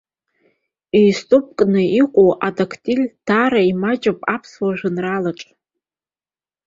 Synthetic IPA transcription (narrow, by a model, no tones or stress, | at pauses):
ijstʼup̚ʼkʼnɨiqʷʼowʔadakʰtʼilʲd̥aɾaimat͡ʃʼapʼapʰswaʒᶣʷɨnralaʈ͡ʂʼ